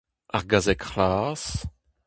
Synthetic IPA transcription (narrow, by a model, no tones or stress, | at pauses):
aʁɡazɛkχlas